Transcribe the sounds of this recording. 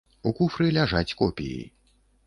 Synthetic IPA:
ukufɾɨlʲaʐat͡sʲkɔpʲijḭj

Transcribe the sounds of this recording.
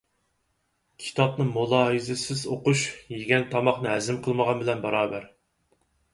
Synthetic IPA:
kʲʰi̥t̪ʰɑp̚nɨŋmulˠɑːɦɨzɪsɪzoquʃjeɡʲɛnt̪ʰɑmɑχnɨɦɛzɪmqʰəlˠməʁɑnbɪlɛnbɑɾɑːbæɾ

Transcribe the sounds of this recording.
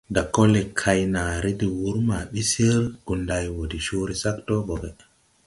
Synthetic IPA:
dakɔlːɛkʰajnaːɾidiwuɾmaɓisiɾɡ̥undajwodiʃoːɾisaktɔbɔɡɛ

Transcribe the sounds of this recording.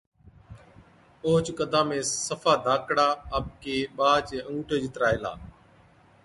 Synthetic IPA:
oːt͡ʃkəd̪ʱãːmẽːsəfʰaːd̪ʱaːkɽaːəb̚keːɓaːt͡ʃẽːũːʈʰeːd͡ʒɪt̪ɾaːeːla̰ː

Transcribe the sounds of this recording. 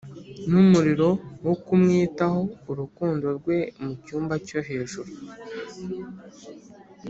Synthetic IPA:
numuɾiɾo̞wokumŋiːtaho̞uɾukuːndo̞ɾɡwe̞mucuːmbaco̞ɦe̞ːʒuɾu

